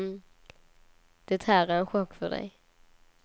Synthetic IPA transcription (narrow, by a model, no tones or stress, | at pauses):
d̪̥ɛt̪hæːɾæɾɛnɧɔkːfœɖɛ̰j